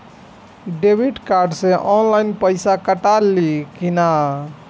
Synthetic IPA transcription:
ɖebʱiɖkaɾɖsẽʔɔnlajnpəjsakəʈalikina

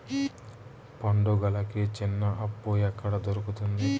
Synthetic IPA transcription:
pɐɳɖuɡɐlɐket͡ʃinːɐʔɐpːuɛkːɐɽɐd̪oɾukut̪und̪i

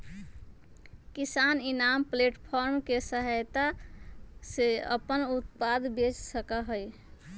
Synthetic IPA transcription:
kisaninampleʈpʰɔɾmkesəɦəjt̪a | seə̰pənut̪̚pad̪bet͡ʃsəkaɦəj

